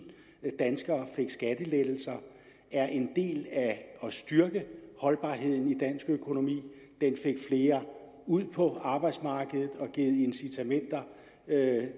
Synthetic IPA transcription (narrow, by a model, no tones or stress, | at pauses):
d̥ænsɡ̥ɐːfe̝ɡ̥sɡ̥æd̥əled̥l̩sɐ | æɐʔe̝nd̥e̝̰ːlæɒ̽sd̥yɐɡ̥əhɒ̽lb̥ɑ̰̈ːɦe̝ð̞̰ˠn̩id̥ænsɡ̥økʰo̝no̝mḭː | d̥enfeɡ̥fle̝ːɐ | uð̰ˠpʰɒ̽ɑ̈ːb̥ɑ̈ɪd̥smɑ̈ːɡ̥əð̩ˠð̩ˠɒ̽ɡ̥e̝ð̩ˠe̝nsit͡sʰæmen̰d̥ɐ